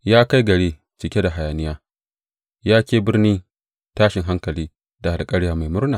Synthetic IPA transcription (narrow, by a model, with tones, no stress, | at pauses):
jaː˦ka˦jɡɐ˨ɽeː˦ | t͡ʃɪ˨kʲe˦da˨ɦa˨jaː˨nɪ˦jaː˦ | jaː˦kʲeː˨bɪ˦rniː˦ | taː˦ʃɪ˨ŋɦa˦ŋkɐ˨liː˦ | da˨a˨kʼɐ˦ɽɪ˦jaː˦ma˨jmʊ˦ɾnaː˨